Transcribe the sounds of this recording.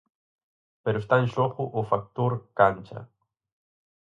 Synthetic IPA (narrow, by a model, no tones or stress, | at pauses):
peɾost̪anʃoχʊʔːfak̚t̪uɾkant͡ʃa̰